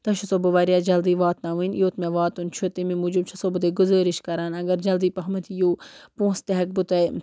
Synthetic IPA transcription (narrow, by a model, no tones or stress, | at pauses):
t̪ɐʃʰusobɐʋaːɾijaːd͡ʒɐld̪iːʋaːt̪naʋiːnjoːt̪mẽʋaːt̪unt͡ʃʰut̪imĩmuːd͡ʒub̚t͡ʃʰɐsobɨd̪eːɡʊzəːɾɪʃkɐɾaːnɐɡɐɾd͡ʒɐld̪iːpɐɦmɐt̪ʰijoːpũːst̪ɐɦɐk̚bʊt̪ɐ